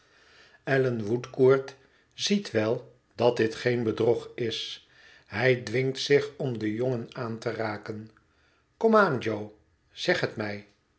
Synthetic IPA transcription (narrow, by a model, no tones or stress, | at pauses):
ɛlənʋutkuːɹt | z̥itʋɛlˠ | d̥ɑt̚dɪtχejnbədrɔχɪs | ɦɛjdʋɪŋtsɪχɔmdəjɔŋənaːntəraːkən | kɔmaːnd͡ʒow | z̥ɛχɦətmɛj